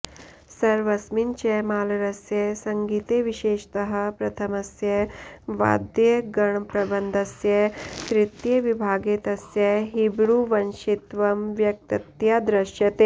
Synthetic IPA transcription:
sɐɾʋɐsmint͡ʃemaːlɐɾɐsjɐsɐŋɡiːt̪eːʋiʃeːʃt̪ɐɦɐ̆pɾɐt̪ʰɐmɐsjɐʋa̰ːd̪jeɡɐɳpɾɐbɐnd̪ʱɐsjɐt̪ɾit̪jeʋibʱaːɡeːt̪ɐsjɐɦibɽuʋɐnʃit̪ʋɐmʋjɐk̚t̪ɐt̪jad̪ɾɐʃjɐt̪eː

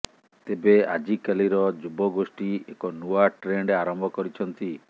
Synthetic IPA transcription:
t̪ebea̰d͡ʒikaliɾɔd͡ʒubɔɡosʈiekɔnuaʈɾeɳɖeaɾɔmbʱɔkɔɾit͡ʃʰɔnt̪i

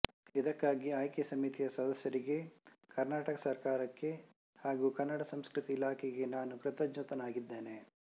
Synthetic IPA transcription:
id̪ɐkːaːɡiaːjkisɐmit̪ijɐsɐd̪ɐsjɐɾiɡe̞ | kɐɾnaːʈɐkɐsɐɾkaːɾɐkːe̞ | haːɡuːkɐnːɐɽɐsɐmskɾɨt̪iːlaːkʰɛɡe̞naːnukɾɨt̪ɐd͡ʒnut̪ɐnaːɡid̪ːe̞ːne

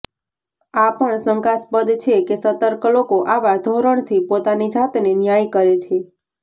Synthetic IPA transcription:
apəɳsəŋkasbəd̪t͡ʃʰekesət̪əɾklokoʔaʋad̪ʱoɾəɳ̃t̪ʰipot̪anid͡ʒat̪nenjajkəɾet͡ʃʰe

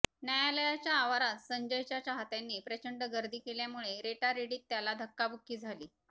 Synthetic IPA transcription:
njajaləjat͡ɕjaːʋaɾat̪səɲd͡ʑəjt͡ɕjat͡ɕaɦat̪janːiːpɾət͡ɕəɳɖəɡəɾd̪ʱiːkeljamuɭeɾeʈaɾeɽiːt̪ːjalad̪ʱəkːabukʰːiːd͡zʱaliː

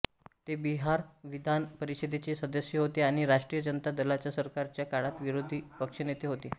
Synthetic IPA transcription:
t̪ebiɦaɾʋid̪ʱanpəɾised̪ʱet͡ɕiːsəd̪əɕːəɦot̪eaɽ̃iɾaʂʈɾijəd͡ʑənət̪ad̪əlat͡ɕjasəɾkaɾt͡ɕjakaɭat̪ʋiɾod̪ʱiːpəkʂənet̪eɦot̪e

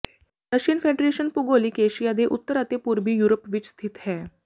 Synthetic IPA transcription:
ɾəɕiːnfeɖɾeɕənpuɡoliːkeɕijad̪eʔut̪ːəɾat̪epuɾbiːjuɾopʋiːt͡ɕst̪ʰit̪ɦɛ

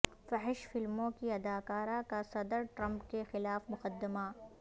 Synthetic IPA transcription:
fɐɦɪʃfɪlmõkiɐd̪aːkaːɾakasɐd̪əɾʈɾɐ̃mpkexɪlaːfmʊqəd̪ːɪmaː

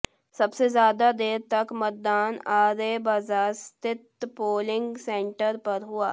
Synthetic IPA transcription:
sɐbsezjaːd̪ad̪eːɾt̪ɐkmɐt̪̚d̪aːnaːɾeːbazaːst̪ɪt̪poːlɪ̃ŋɡsẽːɳʈəɾpɐɾɦʊa̰ː

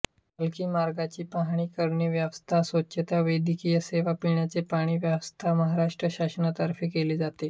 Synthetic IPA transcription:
bəlkiːmaɾɡat͡ɕiːpaɦɽ̃iːkəɾɳiːʋjaʋst̪ʰasʋətːɕʰət̪aʋəjd̪ʱikijəseʋapiɳjat͡sepaɽ̃iːʋjaʋəst̪ʰaməɦaɾaʂʈɾəɕaɕənat̪əɾfiːkeliːd͡zat̪e

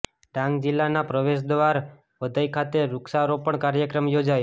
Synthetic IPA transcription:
ɖãŋɡd͡ʒilːanapɾəʋeʃ̬d̪ʋaɾ | ʋəd̪ʱajkʰat̪eɾʊksaɾopəɳkaɾjəkɾəmjod͡ʒajo

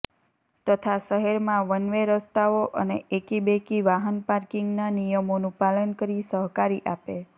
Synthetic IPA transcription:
t̪ət̪ʰasəɦɛɾmãʋənʋeɾəst̪aʋoʔə̰neʔekibekiʋaɦənpaɾkiŋɡnanijəmonũpalənkəɾisəɦkaɾiʔape

